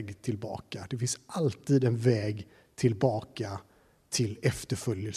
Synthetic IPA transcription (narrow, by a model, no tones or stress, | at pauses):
ɡt̪ʰɪlbɑ̰ːkad̪ɛfɪnsʔalt̪ʰiːd̪ɛnvɛːɡ | t̪ʰɪlbɑːka | t̪ʰɪlɛft̪əɾfœljəl